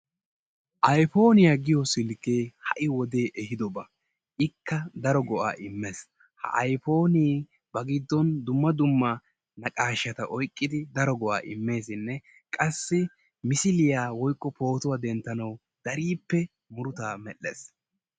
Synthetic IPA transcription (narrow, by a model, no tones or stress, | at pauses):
ʔɐjfo̞ːnɪjaɡɪjɔsɪlkeːhɐ̰ʔɪwɔd̪e̞ːʔɛɦɪd̪ɔbɐ | ʔɪkːɐd̪ɐɾɔɡɔʔa̰ːʔɪmːes | hɐ̰ʔɐjfo̞ːni | bɐɡɪd̪ːɔnd̪ʊmːɐd̪ʊmːɐ | nɐkʼaːʃːɐt̪ɐʔɔjkʼːɪd̪ɪd̪ɐɾɔɡɔʔa̰ːʔɪmːe̞ːsɪnːɛ | kʼɐsːɪ | mɪsɪlɪjaːwɔjkʼːɔpo̞ːt̪ʊwaːd̪ɛnt̪ːɐnɐw | d̪̥ɐɾiːpːɛ | mʊɾʊt̪aːmɛʔːḛːs